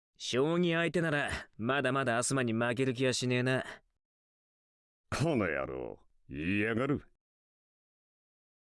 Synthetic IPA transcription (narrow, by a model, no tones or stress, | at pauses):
ɕoːɲ̟ĩait̪e̞naɾamad̪amad̪aːsɨmaɲ̟imak̬e̞ɾɯ̟k̬ʲiβaɕineːna | kʰono̰ja̰ɾo̰ː | iaɡaɾɯ̟